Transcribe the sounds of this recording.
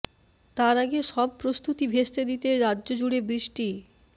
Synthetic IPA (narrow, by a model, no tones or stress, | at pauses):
t̪aɾaɡeʃɔb̚pɾost̪ut̪ibʱeʃt̪ed̪it̪eɾadːʑod͡ʑuɽebɾiʃʈi